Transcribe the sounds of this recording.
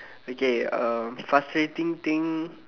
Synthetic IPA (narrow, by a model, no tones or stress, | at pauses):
okeəmfaslit̪ĩŋt̪ĩŋ